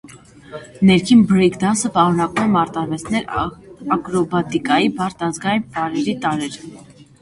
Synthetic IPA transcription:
nɛɾkʰinbɾɛkʰd̪ɑnsəpɑɾunɑkumɛmɑɾt̪ɑɾvɛt͡sʰnɛɾɑkɾɔbɑt̪ikɑjibɑɾt̪ɑzɡɑjnpɑɾɛɾit̪ɑɾɛɾ

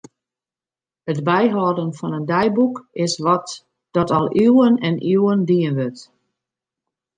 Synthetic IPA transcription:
ətbɛjɦɔːdənfɔnəndɛjbukɪsʋɔt | d̥ɔtɔlˠywənɛnʔiwəndiənʋøt

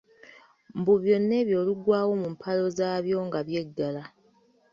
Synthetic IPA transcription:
mbuβjo̞nːe̞ːβjo̞ːluɡwaːwo̞mumpʰalo̞zaːβjo̞ːŋɡaβje̞ɡːala

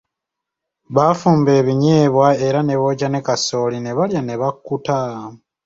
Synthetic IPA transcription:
βafuːmbe̞ːβiɲeːβwae̞ɾane̞βo̞ːcane̞kaso̞ːline̞βaljane̞βakːuta

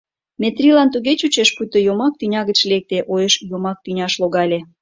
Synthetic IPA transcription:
met̪rʲilɑnt̪uɣet͡ɕut͡ɕeʃput̪ojomɑk̚t̪ynʲɑɣət͡ɕlek̚t̪eʔojəʃjomɑk̚t̪ynʲɑʃloɣɑlʲe

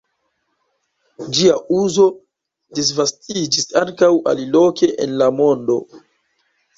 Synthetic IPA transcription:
d͡ʒiaʔuzo̞ | dis̬vastʰid͡ʒisaŋkawa̰lilo̞ke̞ʔḛnlamo̞ndo̞̰

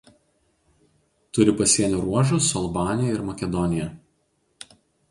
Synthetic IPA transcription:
t̪ʊɾʲɪpɐsʲiɛnʲuɾuɔʒʊsʊɐlˠbɑːnʲɪjɛɪɾmɐkʲɛd̪ɔnʲɪjɛ

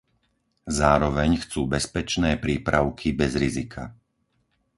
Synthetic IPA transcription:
zaːɾɔʋɛɲxt͡suːbɛspɛt͡ʃnɛːpɾiːpɾʔaʊkʰibɛzɾizikʰa̰

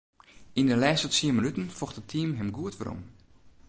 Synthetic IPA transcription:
inəlɛːstɔtsiəməlytənfɔxtətʰiːmɦɛmɡuətʋəɾɔ̰m

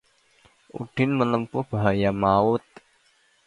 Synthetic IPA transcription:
ṵɖ̥ɪnmələmpʊhb̥aɦajamaʊt̪̚

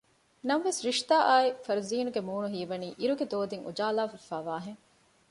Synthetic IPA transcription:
nɐmʋesɾiʃt̪aːʔaːifɐɾziːnuɡemuːnuɦiːʋɐniːʔiɾuɡed̪oːd̪iŋṵd͡ʒaːlaːfɐfaːʋaːɦeŋ

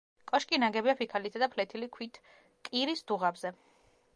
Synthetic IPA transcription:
kʼɔʃkʼinaɡɛbiapʰikʰalit̪ʰad̪apʰlɛt̪ʰilikʰwit̪ʰ | kʼiɾisd̪̥uʁabzɛ

